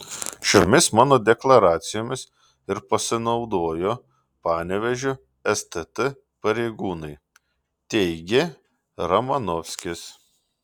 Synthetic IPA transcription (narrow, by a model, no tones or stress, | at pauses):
ʃʲoːmʲɪsmɑːnoːd̪ʲɛklˠɐɾɑːt̪sʲɪjoːmʲɪs | ɪɾpɐsʲɪnɒʊd̪oːjo | pɑːnʲɛʋʲɛʒʲʊ | ɛst̪ɛt̪ɨ | pɐɾʲɛɪɡuːnɐɪ | t̪ʲɛɪɡʲe | ɾɐmɐnɔfʲsʲkʲɪs